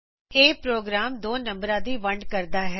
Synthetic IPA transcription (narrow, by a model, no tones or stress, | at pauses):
eːpɾoːɡɾaːmd̪oːnə̃mbɾãːd̪iːʋəɳɖkəɾd̪aːɦɛː